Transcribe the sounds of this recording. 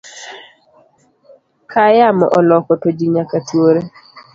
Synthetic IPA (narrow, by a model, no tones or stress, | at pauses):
kʰajamɔ̰ʔɔlɔkɔtod͡ʒiɲakatwoɾe